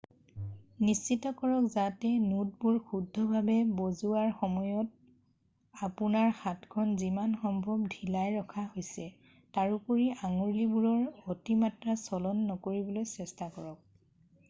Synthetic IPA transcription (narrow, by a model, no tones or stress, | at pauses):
nist͡ʃitɔkɔɹɔkzatɛnud̚buɹxudʱɔbʱabɛbozuaɹxɔmɔjɔt̚ | apunaɹxatkʰɔnzimanxɔmbʱɔbdʱilajɹɔkʰahojsɛ | taɹupoɹiʔaŋoɹibuɹɔɹotimatɹasɔlɔnːɔkoɹibɔlojsɛstakɔɹɔk̚